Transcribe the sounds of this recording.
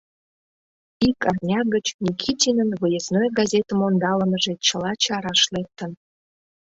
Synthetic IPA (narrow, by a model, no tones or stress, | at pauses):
ikɑrnʲɑɣət͡ɕnʲikʲʰitʲinənβəjəznojɡɑzʲet̪əmond̪ɑləməʒet͡ɕəlɑt͡ɕɑɾɑʃlek̚t̪ən